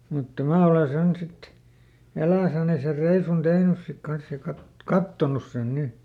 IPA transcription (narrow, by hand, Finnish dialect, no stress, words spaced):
mutːɑ mæː ole sen sit elæisæni ser reisun tehnys sik kɑns jɑ kɑt kɑtːonus sen ni